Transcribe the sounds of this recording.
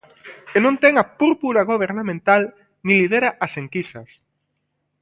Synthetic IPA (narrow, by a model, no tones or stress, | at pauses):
kenõnt̪ɛŋɐpuɾpuɾaɣoβ̞eɾnamẽnt̪al | nĩlið̞eɾaʔɐseŋkisɐs